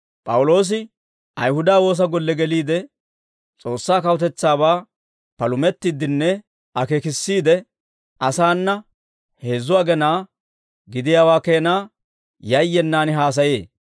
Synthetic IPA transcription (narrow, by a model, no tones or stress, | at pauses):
pʼɐwʊlo̞ːs̬ɪ | ʔɐjhʊd̪aːwo̞ːs̬ɐɡɔlːɛɡɛliːd̪ɛ | t͡sʼo̞ːsːaːkɐwʊt̪ɛt͡sːaːbaː | pɐlʊmɛt̪ːɪd̪ɪnːɛ | ɐkeːkɪsːiːd̪ɛ | ʔɐsaːnːɐ | he̞ːzʊaːɡɛnaː | ɡɪd̪ɪjaːwaːkeːnaː | jɐjːɛnːaːnɪɦaːs̬ɐjḛː